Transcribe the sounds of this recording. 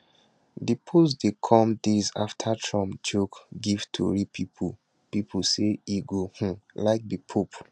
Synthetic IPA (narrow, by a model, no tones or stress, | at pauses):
dipʰus̬dekʰɔ̃mdiza̰ftʰatʰɹɔ̃md͡ʒokɡiv̥tʰṵɹipʰipʰu | pipʰuseiɡohũlaɪk̚dipʰup